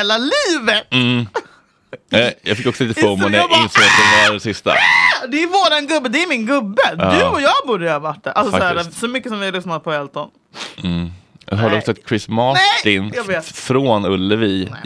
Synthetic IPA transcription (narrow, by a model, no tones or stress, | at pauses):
laliːvət̪̩ː | ɛjɑ̰fɪkːɔksɔliːt̪əomɛnɛjaɪnsoːɡd̪ɛaɾɛsɪst̪a̰d̪ɛːɾvoːɾanɡɵbːəd̪ɛæɾmɪnɡɵbːəd̪ʉɔjɑːɡbuːdəhavaʈːæʔa̰lsɔsæːsɔmʏkːəsɔmvɪalʏsnad̪əpʰɔɛlt̪ɔn̩ | ja̰ɦœld̪əɔkssɔɛt̪ːkʰɾɪsmaɛʈɪnjaveːt̪fɾoːnɵlːəvi